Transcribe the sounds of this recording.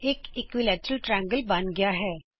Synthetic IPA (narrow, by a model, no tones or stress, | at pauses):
eːkɪkʋilɛːt͡ʃɾəlʈɾɛ̃ŋɡəlbãːnɡɐjaɦɛː